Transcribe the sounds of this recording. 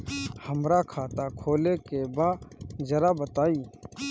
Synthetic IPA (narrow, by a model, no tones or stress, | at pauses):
həmɾakʰaːt̪akʰoːlekebaːd͡ʒɐɾabət̪aːiː